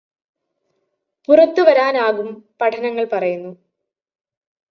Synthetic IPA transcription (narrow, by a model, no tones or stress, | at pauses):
purɐt̪ːuʋɐɾaːnaːɣumpɐʈʰɐnɐŋːɐɭpɐrɐjunːu